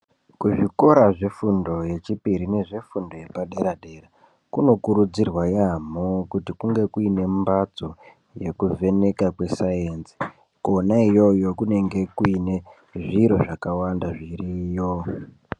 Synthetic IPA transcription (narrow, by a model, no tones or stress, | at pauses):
kuʐiko̞ɾaʐefundo̞je̞t͡ʃipiɾine̞ʐe̞fundo̞je̞paɗe̞ɾade̞ra | kuno̞kuɾud͡zirwajamokutikuŋɡe̞kuine̞mbat͡so̞ | je̞kuvʱe̞ne̞kakwe̞sajenzi̥ | kuonaijo̞jo̞kune̞ŋɡe̞kuine̞ | ʐiɾo̞ʐakawandaʐirijo̞